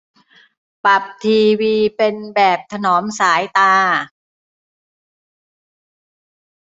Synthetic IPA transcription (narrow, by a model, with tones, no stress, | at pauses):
pa˨˩p̚t̪ʰiː˧wiː˧pe˧nbɛː˨˩p̚t̪ʰa˧nɔː˩˦msaː˩˦jt̪aː˧